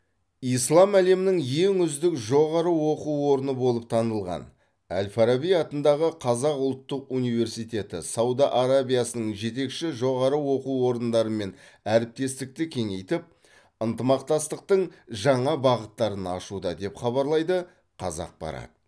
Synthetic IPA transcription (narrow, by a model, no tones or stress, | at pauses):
ijslˠɑmæle̞mɪnɪŋje̞ŋʏzd̪ɪkʒo̞ʁɑɾəwo̞quwwo̞ɾənəbo̞lˠəp̚t̪ʰɑnəlˠʁɑ̰n | æ̰lfaɾabijɑt̪ənd̪ɑʁəqʰɑzɑqʊlˠt̪ːəqunijve̞ɾsijt̪ʲe̞t̪ɪ̰sɑwd̪ɑʔaɾabijasənəɴʒe̞t̪̬e̞kʃɪʒo̞ʁɑɾəwo̞quwwo̞ɾənd̪ɑɾəme̞n | æɾɪp̚t̪e̞st̪ɪk̚t̪ɪkʲʰe̞ŋe̞jt̪ɪp̚ | ənt̪əmɑq̚t̪ɑst̪əq̚t̪əɴʒɑɴɑbɑʁət̪ːɑɾənɑ̰ʃud̪ɑd̪e̞pχɑβɑɾlˠɑjd̪ə | qʰɑ̰zɑ̰q̚b̥ɑ̰ɾɑ̰t̪